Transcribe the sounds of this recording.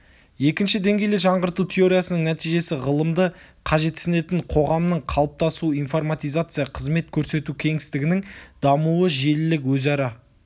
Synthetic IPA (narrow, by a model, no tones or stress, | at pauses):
je̞kʲɪnʃɪd̪e̞ŋɡʲe̞jleʒɑɴʁəɾt̪ut̪ʲʰeo̞ɾʲijasənəŋnæt̪ijʒe̞sɪʁəlˠəmd̪əqʰɑʒe̞t̪ːsɪne̞t̪ɪɴqʰo̞ʁɑmnəɴqʰɑlˠəp̚t̪ɑsuijnfo̞rmat̪ijzat̪sɨjaqʰəzme̞t̪kʲʰɵɾse̞t̪ukʲʰe̞ŋɪst̪ɪɡʲɪnɪŋd̪ɑmuəʒe̞lɪlɪkwɵzɑɾɑ